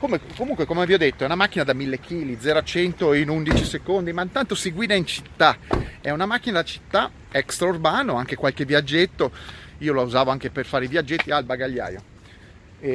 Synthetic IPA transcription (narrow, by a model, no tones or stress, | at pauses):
komekomuŋkwekomeaviɔd̪et̪ːoɛunamakːinad̪amilːekʰiːlid̪zːɛːɾoat͡ʃɛnt̪oinund̪it͡ʃisekond̪imaint̪ant̪osiɡwiːd̪aint͡ʃit̪ːaɛunamak̟ːinad̪at͡ʃi̥t̪ːa | ɛkst̪ɾaurbaːnoaŋk̟ekwalkeviad͡ʒːet̪ːoiːolauzaːvoaŋk̟eperfaːɾeivjad͡ʒːet̪ːialbaɡaʎːa̰ːjo̰